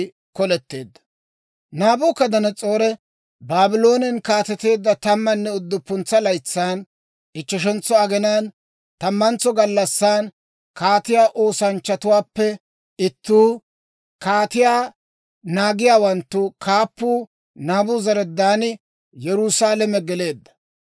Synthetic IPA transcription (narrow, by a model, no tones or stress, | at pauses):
kɔlɛt̪ːe̞ːd̪ːɐ̥ | naːbʊkːɐd̪ɐnɐt͡sʼo̞ːɾɛ | baːbɪlo̞ːnɪnkaːt̪ɛt̪e̞ːd̪ːɐt̪ɐmːɐnːɛʊd̪ːʊpːʊnt͡sːɐlɐjt͡sːaːn | ʔɪt͡ʃːɐʃ̬ɛnt͡sːɔɐɡɛnaːn | t̪ɐmːɐnt͡sːɔɡɐlːɐsːaːn | kaːt̪ɪjaːʔo̞ːsɐnt͡ʃːɐt̪ʊwaːpːɛ | ɪt̪ːuː | kaːt̪ɪjaː | naːɡɪjaːwɐnt̪ːʊkʰaːpːuː | naːbʊzɐɾɛd̪ːaːnɪ | jɛɾusaːlɛmɛɡɛle̞ːd̪ːɐ̥